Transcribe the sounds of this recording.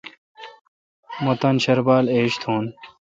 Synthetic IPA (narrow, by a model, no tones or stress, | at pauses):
mot̪anɕɐɾbaːleːɕt̪ʰõːn